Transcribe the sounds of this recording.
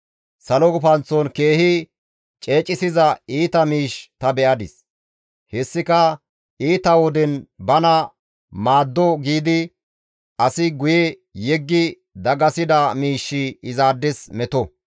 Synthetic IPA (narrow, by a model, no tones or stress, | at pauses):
sɐlɔɡʊpɐnt͡sɔnke̞ːhɪ | t͡ʃʼe̞ːt͡ʃʼɪsɪzɐiːt̪ɐmiːʃt̪ɐbɛʔɐd̪ɪ̰s | hɛsːɪkɐ | iːt̪ɐwɔd̪ɛnbɐnɐ | maːd̪ːɔɡiːd̪ɪ | ʔɐsɪɡʊjɛ | jɛɡːɪ | d̪ɐɡɐsɪd̪ɐmiːʃːɪɪzaːd̪ːɛsmɛt̪ɔ